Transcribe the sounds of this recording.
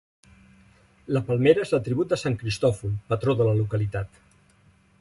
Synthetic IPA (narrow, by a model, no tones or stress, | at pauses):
ləpəlˠmeɾəezlət̪ɾiβut̪̚d̪əsaŋkɾist̪ɔfulˠpət̪ɾoðələlukəlit̪at̪